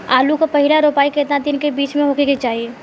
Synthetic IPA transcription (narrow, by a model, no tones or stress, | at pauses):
aːlukopɐɦɪlaɾoːpaːiket̪nad̪ɪnkebiːt͡ʃmẽɦokekit͡ʃaːie